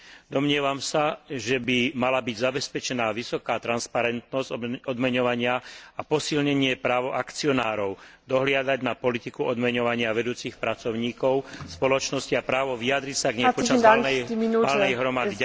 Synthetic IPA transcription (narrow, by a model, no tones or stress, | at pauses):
d̪ɔmɲɪɛʋamsaʒɛbimalabiɟzabɛspɛt͡ʃɛnaːʋisɔkaːt̪ɾanspaɾɛnt̪nɔz̥ɔd̪mɛɲɔʋaɲɪaapɔsilɲɛɲɪɛpɾaːʋɔʔakt͡siɔnaːɾɔʊd̪ɔɦlɪad̪aɟnapɔlit̪ikuɔd̪mɛɲɔʋaɲɪaʋɛd̪uːt͡sixpɾat͡sɔʊɲiːkɔʊspɔlɔt͡ʃnɔsciapɾaːʋɔʋiad̪ɾicsaɡɲɛpɔt͡ʃaanmalnɛjɦɾɔmad̪i